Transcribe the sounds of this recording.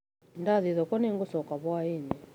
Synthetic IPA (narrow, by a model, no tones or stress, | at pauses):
ndaðiðɔkɔneŋɡosɔkaβwaenɛ